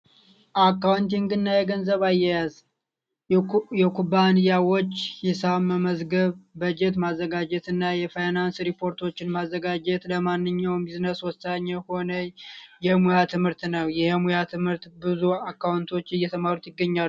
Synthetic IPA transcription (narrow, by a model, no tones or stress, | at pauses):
ʔakːawnt̪iŋɡɨnːajɛɡənzəβajɛjaz | jɛkʰubːanijawot͡ʃːhisaməməzɡəβːəd͡ʒɛt̪mazːəɡad͡ʒɛt̪ɨnːajɛfajnansɾipʰːo̞ɾt̪ʰo̞t͡ʃːɪnmazːəɡad͡ʒɛt̪ləmanːɨɲːawmbiznəswɔsaɲːəho̞nəjɛmujat̪ʰɨmhɨɾt̪nəwjɛhmujat̪ʰɨmhɨɾt̪bɨzuakːawnt̪ʰo̞t͡ʃːɪjɛt̪ʰəmaɾut̪jɪɡːəɲːal